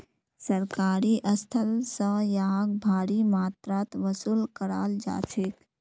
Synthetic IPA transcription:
səɾkaːɾiʔəst̪ʰəlsəjaaɡ̚bʱaːɾimaːt̪ɾaːt̪ʋəsuːlkəɾaːld͡ʒa̰ːt͡ʃʰeːk

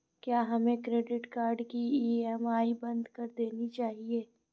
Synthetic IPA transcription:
kjaːɦɐmẽkɾeːɖɪʈkaːɾɖkiiɛmaːibɐ̃nd̪kɐɾd̪eːnit͡ʃaːɦieː

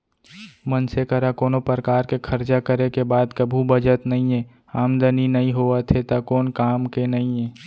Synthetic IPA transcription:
mənsekəɾakoːnopəɾkaːɾkekʰəɾt͡ʃakəɾekebaːd̪kəbʱubəd͡ʒət̪nɐɦĩeː | aːmd̪əninɐɦĩɦoat̪ʰet̪akoːnkaːmkenɐɦĩeː

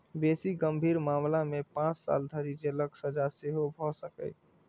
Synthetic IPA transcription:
besiɡəmbʱiːɾmamlamepãt͡ʃsa̰ld̪ʱəɾid͡ʒeləksəd͡ʒaseɦobʱɔsəkə̰j

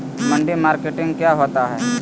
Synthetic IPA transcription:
mɐ̃ɳɖimaːɾkeʈɪ̃ŋɡ̚kjaːɦoːt̪aɦɛː

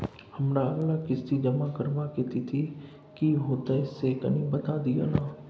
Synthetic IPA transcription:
hɐmɾaɐɡlakɪst̪id͡ʒɐmakəɾʋakeːt̪it̪ʰi | kiɦoːt̪aɪsːekɐnĩbɐt̪ad̪ija̰naː

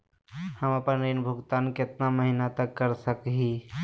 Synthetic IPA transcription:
həməpənɾinbʱʊɡt̪aːnkɪt̪naməɦinat̪əkːəɾsəkɦi

